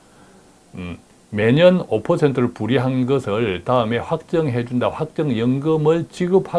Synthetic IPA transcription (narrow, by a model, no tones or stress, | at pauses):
me̞ɲʌnopʰʌsʰe̞ntʰɯɾoɭpuɾiɦanɡʌsʰɯɭtaɯme̞ɸwak̚t͡ɕ͈ʌŋɦe̞d͡ʑundaɸwak̚t͡ɕ͈ʌŋjʌŋɡɯmɯɭt͡ɕiɡɯpʰha